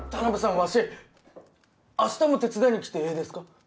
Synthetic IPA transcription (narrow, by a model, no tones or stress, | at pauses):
t̪anabɯsãβaɕe | aɕi̥t̪emot̪e̞t͡sɨd̪aĩɲ̟ːikʲi̥t̪e̞eːd̪e̞sɨ̥ka